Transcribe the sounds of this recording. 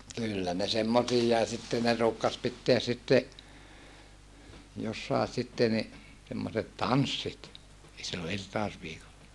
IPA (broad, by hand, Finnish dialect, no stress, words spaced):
kylːæ ne semːosiːjːɑi sitːe ne ruːkːɑs pitːeæs sitːe josːɑˑe sitːe ni semːoset tɑnsːit silːo irtɑosʋiːkolːɑ